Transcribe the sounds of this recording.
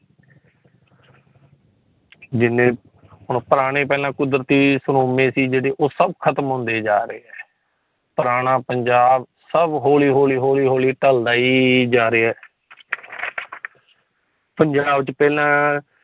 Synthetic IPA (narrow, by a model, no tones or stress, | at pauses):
d͡ʒɪnːẽː | ɦʊɳpəɾaːɽ̃eːp̬ɛːlãːkʊd̪ɾət̪iːsɾoːmẽːsiːd͡ʒeːɽeːʔoːsəbkʰət̪mɦõːnd̪eːd͡ʒaːɾeːɛː | pəɾaːɽ̃ãːpəɲd͡ʒaːb | səbɦoːliːɦoːliːɦoːliːɦoːliːʈəld̪aːiːd͡ʒaːɾeːɛː | pəɲd͡ʒaːbt͡ʃpɛːlãː